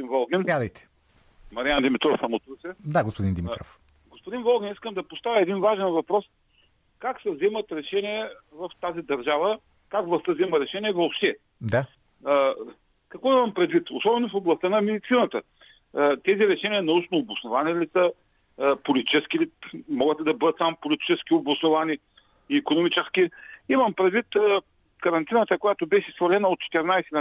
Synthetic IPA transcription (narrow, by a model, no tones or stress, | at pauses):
d̪invɔlˠɡɛnad̪ɐjt̪ɛ̥ | mɐɾiand̪imit̪ɾɔfsɐmot̪usɛd̪aɡospʊd̪ind̪imit̪ɾɔ̰f | ɡospʊd̪invɔlˠɡʲɛniskəmd̪ɐpost̪avʲəɛd̪invaʒɛnvɐpɾɔs | kaksɛvzɛmət̪ɾɛʃɛnʲiɛvɐft̪azid̪ɐɾʒavə | kaɡvlˠɐst̪əvzɛməɾɛʃɛniɛvopʃt̪ɛ | d̪a | kɐkvɔimɐmpɾɛd̪vit̪osɔbɛnofoblˠɐst̪ənɐmɛd̪it̪sinət̪ə | t̪ɛziɾɛʃɛniənɐut͡ʃnoːbʊsnovanilisə | polʲit̪i̥t͡ʃɛskʲilimɔɡət̪ɛd̪ɐbɤd̪ət̪sampolit̪i̥t͡ʃɛskʲiobʊsnovani | iːkonomit͡ʃɛskʲiimɐmpɾɛd̪vit̪ | kɐɾɐnt̪inət̪əkojat̪obɛʃɛsvɐlɛnəot̪̚t͡ʃɛ̥t̪ɛɾnajsɛn